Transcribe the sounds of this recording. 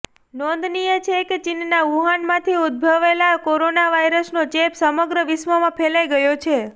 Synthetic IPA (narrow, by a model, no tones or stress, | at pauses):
nɔ̃nd̪nijət͡ʃʰeket͡ʃinnaʋuɦanmãt̪ʰiud̪̚bʱəʋelakoɾonaʋajɾəsnot͡ʃepsəməɡɾəʋɪsməmãpʰelajɡəjot͡ʃʰe